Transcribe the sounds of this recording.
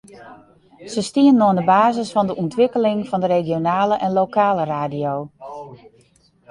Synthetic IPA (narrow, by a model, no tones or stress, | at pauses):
səstiənnːɔəndəbaːzəsfɔndəʔɔntʋɪkəlɪŋfɔndəɾeɡjonaːləʔɛnlokaːləraːdijoː